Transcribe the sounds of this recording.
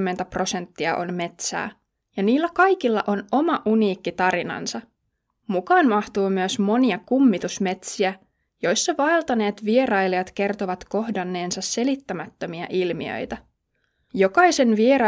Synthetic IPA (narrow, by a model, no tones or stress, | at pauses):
mːe̞nt̪æpro̞se̞nt̪ːiɑʔo̞̰nme̞t̪sæ̰ː | jɑniːlːækɑjkilːɑ̰ʔo̞no̞mɑʔuniːkːit̪ɑɾinɑ̰nsɑ | mukɑːnmɑht̪uːmyøsmo̞niɑkumːit̪usme̞t̪siæ | jo̞jsːɑʋɑelt̪ɑne̞ːt̪ʋie̞rɑjliɑt̪ke̞rt̪oʋɑt̪ko̞hdɑnːe̞ːnsɑsːe̞lit̪ːæmæt̪ːømiɑʔilmiø̰jt̪æ | jo̞kɑjse̞nʋie̞ɾɑ